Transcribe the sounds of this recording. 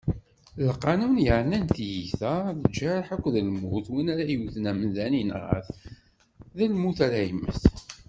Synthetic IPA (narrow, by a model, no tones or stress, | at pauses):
lqːɑnunjəʕnænθjiθæðəd͡ʒːæɾħækʷːðəlmuθwinæɾæjuθnæmənðæninʁə̰θ | ðælmuθæɾæjəmːə̰θ